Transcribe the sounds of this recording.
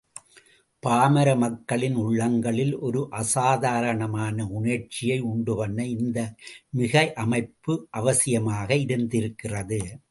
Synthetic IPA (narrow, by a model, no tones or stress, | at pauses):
paːmɐɾɐmɐkːɐɭɪnʊɭːɐŋɡɐɭɪlʔɔɾɯʔɐsaːðaːɾɐɳɐmaːnɐʊnɐʈt͡ʃːɪjɐɪʊɳɖɯʋɐnːɐɪnd̪ɐmɪɣɐɪʔɐmɐɪpːɯʔɐʋɐsɪjɐmaːɣɐɪɾɯnd̪ɪɾɯkːɪrɐðɯ